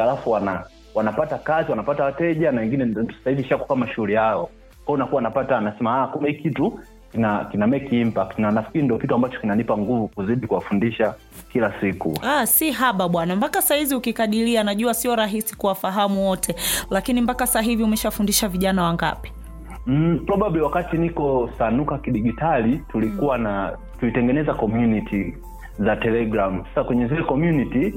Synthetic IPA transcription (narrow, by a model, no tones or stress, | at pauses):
alafuwana | wanapatakaziwanapatawatɛʄanawɛŋɡinɛɔ̥sḁsaiviʃaku̥kamaʃuulijaɔ | kɔɔunakuwanapatanasɛmaakumahikitu | kinakinamɛkim̩pananafkiɾindiɔkituambat͡ʃɔ̥kinanipaŋɡuvukuziɗikuwafundiʃa | kilasikṵasiɦaɓaɓwanambakasahiziukikaɗilianaʄuasiɔɾaɦisi̥kuwafaɦamuwɔtʰɛlakinimbakasaɦiviumɛʃawfundiʃaviʄanawaŋɡa̰pi̥ | m̩pɾɔɓaɓliwakatinikɔsanukakiɗiɡitalitulikuwana | tuitɛŋɡɛnɛzakɔmjunitʰi | zatɛlɛɡɾam̩sḁsakwɛɲɛzilɛkɔmjuniti